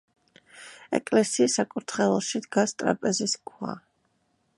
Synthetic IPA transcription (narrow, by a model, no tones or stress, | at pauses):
ɛ̰kʼlɛsiːsakʼuɾt̪ʰχɛlˠɔʃid̪ɡast̪ʼɾa̰pʼɛziskʰwa̰